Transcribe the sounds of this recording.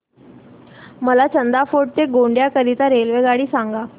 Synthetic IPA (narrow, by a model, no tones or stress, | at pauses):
məlat͡ɕənd̪afoʈ̚t̪eɡoɳɖjakəɾit̪aɾelʋeɡaɽiːsaŋɡa